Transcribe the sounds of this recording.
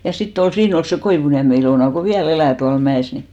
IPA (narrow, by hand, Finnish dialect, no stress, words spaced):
jɑ sitː ol siːn ol se koiʋuniæme iloˑnɑ ko ʋiæl elæˑ tuɑl mæeˑs ni